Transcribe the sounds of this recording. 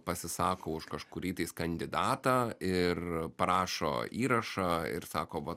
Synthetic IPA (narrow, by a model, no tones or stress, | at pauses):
pɐsʲɪsɑːkoːʊʃkɐʃkʊɾʲiːt̪ɐɪskɐnʲd̪ʲɪd̪ɑːt̪ɑːɪrpɐɾɑːʃo̰ːiːɾɐʃɑːɪ̰ɾsɑːkoːʋɐ